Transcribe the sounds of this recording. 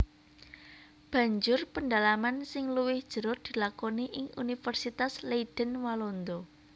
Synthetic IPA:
b̥ä̤ɲd͡ʒʊrpəndalamansɪŋluwɪhd̥ʒ̥ə̤ɾʊt̪̚d̪̥ilakoniʔɪŋunifərsit̪asleiɖ̥ənwalond̪ɔ

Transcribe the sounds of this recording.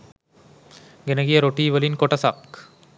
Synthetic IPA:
ɡenɐɡijɐɾoʈːiʋɐlinkoʈːɐsa̰ːpk

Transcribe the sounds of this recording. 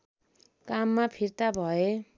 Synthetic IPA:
kamːapʰirt̪abʱʌe

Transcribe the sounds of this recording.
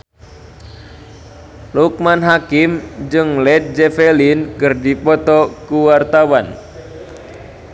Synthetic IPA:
luk̚manɦakɪmd͡ʒɨŋlɛt̪̚d͡ʒɛfelinkɨrdipɔt̪ɔkuwart̪awan

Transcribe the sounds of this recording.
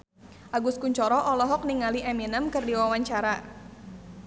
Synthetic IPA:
ʔaɡuskuɲt͡ʃɔɾɔʔɔlɔɦɔk̚niŋaliʔɛminəmkɨrdiwawaɲt͡ʃaɾa

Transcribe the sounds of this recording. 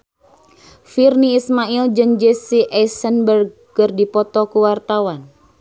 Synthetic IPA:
firniːsmaild͡ʒɨŋd͡ʒesiʔɛsənbərɡ̚ | kərdipɔt̪ɔkuwart̪awan

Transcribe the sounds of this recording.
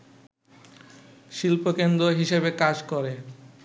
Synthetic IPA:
ʃilpokend̪ɾoɦiʃebekad͡ʑkoɾe

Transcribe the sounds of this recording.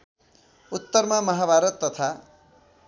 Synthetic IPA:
ut̪ːʌrmamʌɦabʱaɾʌt̪ːʌt̪ʰa

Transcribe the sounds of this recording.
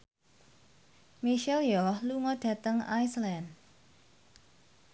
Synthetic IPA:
miʃɛljɔhluŋɔɖ̥ä̤t̪əŋajslɛnd̚

